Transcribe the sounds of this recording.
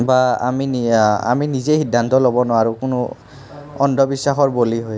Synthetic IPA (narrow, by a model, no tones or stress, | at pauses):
baa̰mina̰minizexidʱːant̪ɔlobɔnɔwaɹukʊnʊ | ɔndʱɔbisːaxɔɹboliɦoj